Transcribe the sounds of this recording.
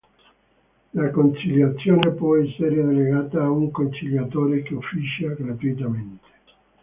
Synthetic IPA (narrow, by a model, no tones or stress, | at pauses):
lakont͡ʃiljat̪sːjoːnepwɔɛsːeɾedeleɡaːt̪aːuŋkont͡ʃiljat̪oːɾekeofːiʃaɡɾat̪uit̪ament̪e̥